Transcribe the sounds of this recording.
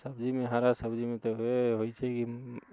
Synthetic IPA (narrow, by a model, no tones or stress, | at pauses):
səbd͡ʒimẽɦaɾasəbd͡ʒimẽt̪oeɦoit͡ʃʰɛki